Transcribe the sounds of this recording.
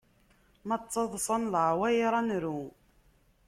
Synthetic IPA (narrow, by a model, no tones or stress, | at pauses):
mət͡sˤːɑðˤsˤɑnlʕwæjɾˤɑnɾu